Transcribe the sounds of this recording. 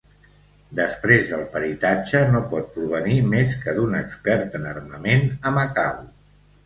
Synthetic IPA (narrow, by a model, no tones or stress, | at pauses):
d̪əspɾezðəlˠpəɾit̪ad͡ʒənopɔt̪̚pɾuβ̞ənimeskəðunəkspɛɾt̪ənərməmenəməkaw